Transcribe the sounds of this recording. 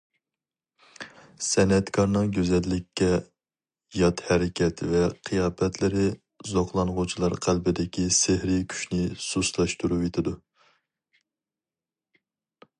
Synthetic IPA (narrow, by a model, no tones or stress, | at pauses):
sɛnɛt̪kʰɑɾnɨŋɡʲøzɛlːɪkʲʰːɛ | jɑt̪hɛɾɪkʲɛt̪ʰvɛqʰɨjɑːpɛt̪ʰlɪɾɪ | zoqlˠɑnʁʊt͡ʃʰilˠɑɾqʰælbɪd̪ɪkʲisehɾɪkʲʰy̥ʃnɪsuslˠɑʃt̪uɾupet̪ʰɪd̪u